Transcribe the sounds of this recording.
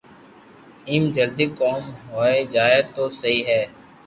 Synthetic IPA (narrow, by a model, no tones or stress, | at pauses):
iːmd͡ʒəld̪iːkoːmɦoːeːd͡ʒaːeːt̪oːsəɦiːɦɛː